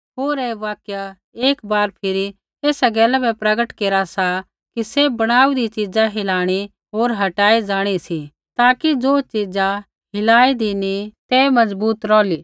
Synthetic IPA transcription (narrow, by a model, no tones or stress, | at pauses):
ɦoːɾɛːʋaːkja | eːkbaːɾpʰɪɾi | eːsaɡɛːlɛbɛpɾɐɡəʈkeːɾasa | kisebɐɽ̃aːud̪it͡ʃid͡zaɦɪlaːɽ̃i | ɦoːɾɦɐʈaːid͡zaːɽ̃isi | t̪aːkid͡zoːt͡ʃid͡za | ɦɪlaːid̪init̪ɛːmɐzbuːt̪ɾɔːliː